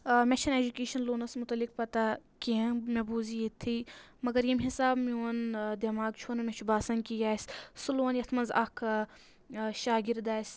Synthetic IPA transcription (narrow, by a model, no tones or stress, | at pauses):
met͡ʃʰɐned͡ʒukeːʃɐnloːnɐsmut̪ɐlik̚pɐt̪akiɐ̃mebuːzijet̪ʰːimɐɡɐɾjimʲɦisaːbmioːnd̪ɐmaːɡt͡ʃʰuːnɐmʲet͡ʃʰubaːsɐnkijaːssuloːnjɐt̪ʰmɐnzɐ̰kʰ | ʃaːɡiɾd̪aːs